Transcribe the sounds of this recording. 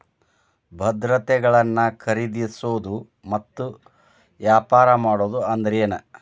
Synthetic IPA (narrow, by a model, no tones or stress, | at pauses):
bʱɐd̪ɾɐt̪ɛɡɐɭɐnːɐkʰɐɾid̪isoːd̪u | mɐt̪ːu | ʋjaːpaːɾɐmaːɽoːd̪uɐnd̪ɐɾeːnɐ